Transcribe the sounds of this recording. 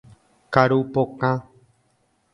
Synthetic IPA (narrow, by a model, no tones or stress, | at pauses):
kaɾupokã